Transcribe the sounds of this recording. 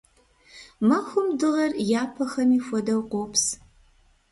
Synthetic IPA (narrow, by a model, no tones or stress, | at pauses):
mɐxʷʊmdɨʁɐrjaːpʰɐxɐmiːxʷɔdɐwqʷoːpʰs